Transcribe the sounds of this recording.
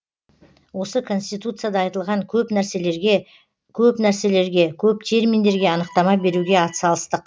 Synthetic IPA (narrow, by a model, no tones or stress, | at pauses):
wo̞səkʰo̞nst̪ijt̪ut̪sɨjad̪ɑɑjt̪əlˠʁɑŋkʲʰɵpnæɾseleɾe | kʲʰɵpnæɾse̞le̞ɾɡʲe̞kʲʰɵp̚t̪ʰe̞ɾmind̪e̞ɾɡʲe̞ɑnəqt̪ɑmɑbe̞ɾuɡʲe̞ɑt̪əsɑlˠəst̪əq